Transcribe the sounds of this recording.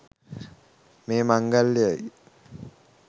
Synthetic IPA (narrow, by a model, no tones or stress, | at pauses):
meːmaŋɡalːjəj